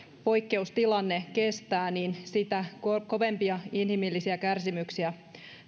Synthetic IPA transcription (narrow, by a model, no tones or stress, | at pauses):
po̞jkːe̞ust̪ilɑnːeke̞st̪æːninsit̪ækko̞ʋe̞mpiɑinhimilːisiækærsimyksiæ